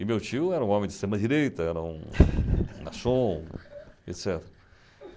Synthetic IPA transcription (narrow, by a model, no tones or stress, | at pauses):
ɪmewt͡ʃiʊɛɾɐũõmẽd͡ʒ̪ɪst̪ɾẽmɐd͡ʒiɾejt̪ɐɛɾɐṵ̃ | na̰sõ | ḛt̪sɛt̪eɾɐ